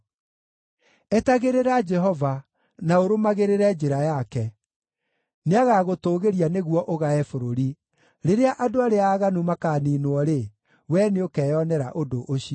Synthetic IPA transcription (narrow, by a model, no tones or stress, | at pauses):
ɛtaɣeɾeɾad͡ʒɛɦɔva | naoɾomaɣeɾeɾɛd͡ʒeɾajakɛ | neaɣaɣotoːɣeɾianeɣwɔʔoɣaɛfoɾoɾi | ɾeɾeaʔadoaɾeaːɣanumakaːninwɔɾe | wɛneokɛːjɔnɛɾaʔodoʔoɕi